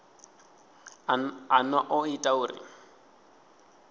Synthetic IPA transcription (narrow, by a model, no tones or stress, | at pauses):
anwaʔʊitʼauːɾḭ